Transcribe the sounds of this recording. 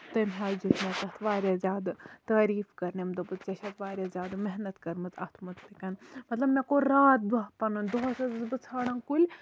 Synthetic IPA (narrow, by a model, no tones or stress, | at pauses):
t̪ɐmʲɦʲaːd͡ʒit̪mʲɐt͡sɐt̪ʰʋaːɾʲazʲaːd̪t̪aːɾiːfkɐɾnemd̪ɐbɨt͡st͡ʃɐʃʰɐt̪ʰʋaːɾʲezʲaːd̪meɦnɐt̪kɐɾmɨt͡sɐ̰t̪ʰmɐt͡sp̪ikɐnmɐt̪lɐbmɛkoɾaːt̪̚d̪ɐɦpɐnunʲd̪oɦɐsɐzɨzbɨt͡sʰaːɽɐnkulʲ